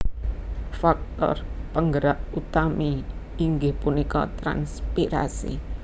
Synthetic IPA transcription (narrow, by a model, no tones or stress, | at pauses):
fak̚t̪ɔ̰rpəŋɡəɾaʔut̪amiː | ŋɡɪhpunikɔ̰t̪ɾa̰nspiɾa̰sḭ